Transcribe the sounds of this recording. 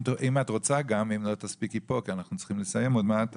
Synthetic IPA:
timatʁo̞t͡saɡamimlo̞taspikipo̞kianaχnut͡ssi̥χimle̞saje̞motmat

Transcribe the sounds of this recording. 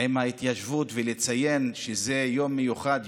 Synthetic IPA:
emhait̪jaʃvutvelet͡saje̞nʃeze̞jo̞mːejuχad̪

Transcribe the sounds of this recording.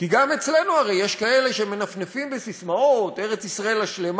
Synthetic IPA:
kiɡame̞t͡sle̞nuaʁejeʃkae̞le̞ʃeme̞nafnefimbesismaot̪e̞ʁe̞t͡sisʁae̞laʃle̞m

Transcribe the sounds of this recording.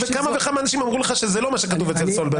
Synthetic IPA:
vekamavekamaːnaʃimamʁuleχaʃezelo̞maʃekatuvet͡selsolbe

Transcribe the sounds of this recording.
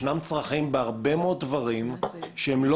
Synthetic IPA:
namt͡sʁaχimbeaʁbemood̪̚dvaʁimʃehemlo

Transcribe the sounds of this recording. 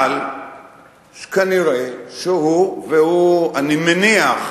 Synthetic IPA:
l | ʃkaniɾeʃeɦuveɦuanimeniaχ

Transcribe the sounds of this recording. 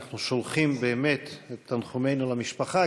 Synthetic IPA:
nuʃolχimbeːmet̪et̪ːanχumejnulamiʃpaχa

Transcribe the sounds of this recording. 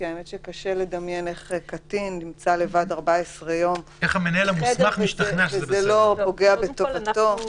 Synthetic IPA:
kiaemetʃekaʃele̞d̪amjene̞χekat̪innimt͡sale̞vadaʁbaesʁejon | eχamenaelamuesmaχmiʃt̪aχnaezelo̞po̞ɡeabet̪ovat̪o̞

